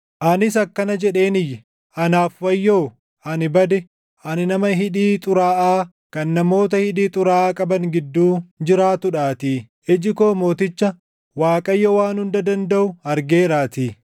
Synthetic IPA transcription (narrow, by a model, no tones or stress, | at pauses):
ʔɐnɪsɐkːɐnɐd͡ʒɛᶑe̞ːnɪjːɛ | ɐnaːfwɐjːoː | ɐnɪbɐd̪ɛ | ʔɐnɪnɐmɐɦɪᶑiːt̪ʼʊɾaːʔaː | kɐnːɐmo̞ːt̪ɐhɪᶑiːt̪ʼʊɾaːkʼɐbɐŋɡɪd̪ːuːd͡ʒɪɾaːt̪ʊᶑaːt̪iː | ʔɪd͡ʒɪko̞ːmo̞ːt̪ɪt͡ʃːɐ | waːkʼɐjːɔwaːnhʊnd̪ɐd̪ɐnd̪ɐʔʊɐɾɡeːɾaːt̪iː